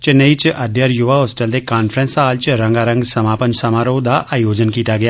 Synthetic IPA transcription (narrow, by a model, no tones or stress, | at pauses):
t͡ʃnɐit͡ʃʔɐd̪ʱjəɾjʊʋaoːsʈəld̪ekaːnfɾə̃nsaːlt͡ʃɾɐ̃ŋɡaːɾɐ̃ŋɡsɐmaːpənsɐmaːɾoːd̪aʔaːjoːd͡ʒənkiːt̪aɡɐjaː